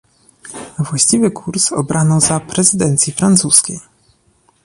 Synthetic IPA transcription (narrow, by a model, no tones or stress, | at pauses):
vwaɕt͡ɕivɘkʰuɾsɔbɾanɔzapɾɛzɘd̪ɛnt̪sʲjifɾant̪suskʲej